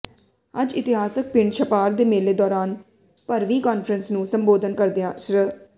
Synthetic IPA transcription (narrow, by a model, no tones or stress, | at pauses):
əd͡ʒɪt̪ɪɦaːsək̚pɪɳɖʃəpaːɾd̪eːmeːleːd̪ɔːɾaːn | pəɾʋiːkaːnfʰɾənsnũːsəmboːd̪ənkəɾd̪ɪjãːʃɾə